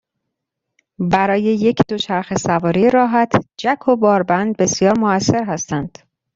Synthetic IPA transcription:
bæɾɒːje̞je̞cʰd̪̥o̞t͡ʃʰæɾxe̞sævɒːɾiɾɒːɦæt̪ʰd͡ʒækʰo̞bɒːɾbænd̪̚be̞sijɒːɾmoæsːe̞ɾɦæst̪ænd̪̥

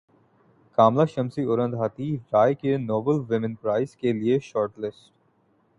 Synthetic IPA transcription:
kaːmlaʃɐmsiʊɾə̃nd̪ɦaːt̪iɾaːjkenɔːbəlʋɪmɪ̃npɾaːɪzkelieʃɔːɾʈlɪsʈ

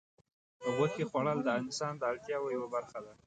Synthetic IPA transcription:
pəɣəkexwaɽəld̪əanɪsɑnd̪əaɽt̪jɑwojawabaɾxad̪a

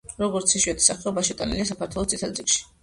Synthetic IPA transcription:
ɾɔɡɔɾt̪sʰiʃwiɛt̪ʰi̥saχɛɔbaʃit̪ʼanḭliasakʰaɾt̪ʰwɛlˠɔst̪sʼit̪ʰad̪zɾikʃi̥

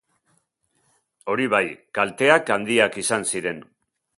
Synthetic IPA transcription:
o̞ɾiβ̞ajkalt̪e̞akand̪iakisansiɾe̞n

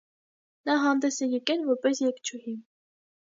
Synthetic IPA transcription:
nɑɦɑnd̪ɛsɛjɛkɛlvɔɾpɛsjɛkt͡ʃʰuhim

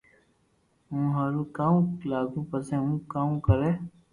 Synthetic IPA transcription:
ɦũːɦaɾukaːũlaːɡũːpəsẽɦũːkaːũkəɾeː

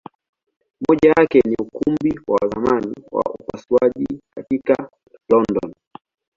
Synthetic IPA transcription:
mɔʄajakɛniukumbiwawazamaniwa̰upasuaʄikatika | lɔndɔn

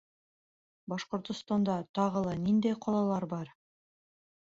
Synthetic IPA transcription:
bɑʃqŏɾt̪ŏst̪ɑnd̪ɑt̪ɑʁɤ̆lˠɤnind̪ejqʰɑlˠɑlˠɑɾbɑɾ

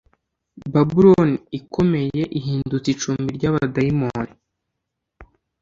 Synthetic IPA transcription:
babuɾonikʰo̞me̞je̞ʔiɦiːndut͡sit͡ʃuːmbiɾɟaβadajimoni

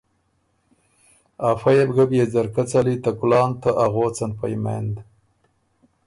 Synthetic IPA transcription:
afajebɡabjed͡zaɾkat͡salit̪akʊlɑːnt̪aʔaɣoːt͡sanpajmḛnd̪

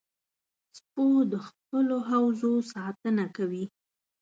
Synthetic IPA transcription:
spod̪əxpəloɦawzosɑt̪ənakawi

